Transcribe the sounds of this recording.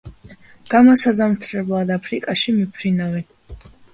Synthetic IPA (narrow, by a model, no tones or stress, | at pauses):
ɡ̥amɔsad̪zamt̪ʰɾɛblˠad̪apʰɾikʼaʃimipʰɾinavɛn